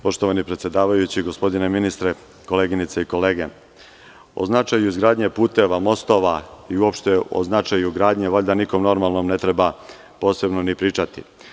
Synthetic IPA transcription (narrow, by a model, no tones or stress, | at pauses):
po̞ʃt̪o̞ʋanipɾet̪sje̞d̪aːʋajut͡ɕiɡo̞spo̞d̪ine̞minist̪ɾe | ko̞leɡinit̪seiko̞le̞ːɡe | o̞̰znat͡ʃajuizɡɾaːd̪ɲe̞puːt̪e̞ʋamo̞st̪o̞ʋaiuo̞pʃt̪eo̰znat͡ʃajuɡɾaːd̪ɲe̞ʋoʎd̪aniko̞mno̞ɾmalˠno̞mne̞t̪ɾe̞ba | po̞ːse̞bnonipɾiːt͡ʃat̪ḭ